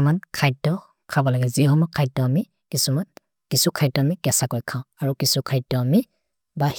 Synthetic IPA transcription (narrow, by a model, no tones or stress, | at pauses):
mankʰajtːɔ | kʰabɔlaɡɛziɦɔmɔkʰajtːɔami | kisuman | kisukʰajdɔamiɡɛsakɔjkʰãʊ̃aɹukisukʰajtːɔami | ba